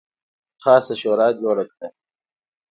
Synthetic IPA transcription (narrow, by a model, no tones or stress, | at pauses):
xaːsɐɕoːɾaːd͡ʑoːɽɐk̚e